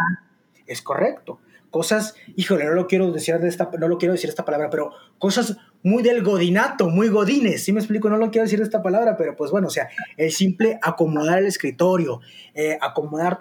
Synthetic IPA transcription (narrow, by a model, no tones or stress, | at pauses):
a | e̞sko̞̰re̞kt̪o̞ | ko̞sasixo̞le̞no̞lo̞kje̞ɾo̞ðesiɾðest̪ano̞lo̞kjeɾoðsiɾesapalaβɾape̞ɾo̞ | kosaz | mujðe̞lɣo̞ðinat̪o̞mujɣo̞ðine̞sːimeks̬plik̬o̞no̞lokjeɾoesiɾðest̪apalaβɾape̞ɾo̞pwe̞zβwe̞noːs̬e̞aelsimple̞ʔako̞mo̞ð̞aɾele̞skɾit̪o̞ɾjo̞ | eako̞mo̞ðaɾt̪